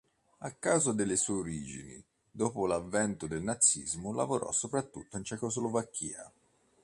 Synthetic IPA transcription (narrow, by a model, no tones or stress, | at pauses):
akːaːzod̪elːesueoɾiːd͡ʒḭnḭ | d̪oːpolavːɛnt̪ʊd̪elnat̪sːḭzmʊla̰voɾʔɔ̰sːopɾat̪ːṵt̪ːoint͡ʃɛkozlovakʰːḭːa̰